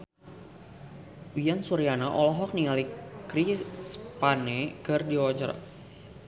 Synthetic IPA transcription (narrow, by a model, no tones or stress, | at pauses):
wijansuɾianaʔɔlɔɦɔk̚niŋalikɾispanɛkɨrdiwɔd͡ʒaɾa̰